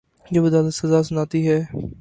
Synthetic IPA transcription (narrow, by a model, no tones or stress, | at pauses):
d͡ʒoːbəd̪aːləsəzaːs̬ʊnaːt̪iːɦɛː